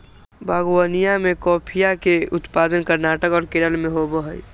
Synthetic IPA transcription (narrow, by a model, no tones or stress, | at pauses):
bʱaːɡwənijamẽkɔːpʰijakeʊt̪paːd̪ənkəɾnaːʈəkɔːɾkeɾəlmẽɦobəɦəi